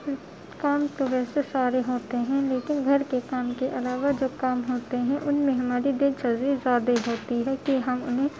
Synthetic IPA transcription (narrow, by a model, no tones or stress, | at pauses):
kaːmt̪oʋɛːsesaːɾeɦoːt̪eɦɛ̃leːkɪnɡʱɐɾkekaːmkeʔɐlaːʋad͡ʒoːkaːmɦoːt̪eɦɛ̃ʔʊnmẽɦɐmaːɾid̪ɪt͡ʃɐzizaːd̪eɦoːt̪iɦɛkiɦɐmʊ̰nɦẽ